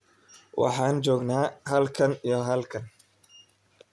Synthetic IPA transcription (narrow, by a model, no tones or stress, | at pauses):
wɑ̰ħɑːnt͡ʃɔːɡnaːhɐlkʰɐnijɔɦɐlkʰɐn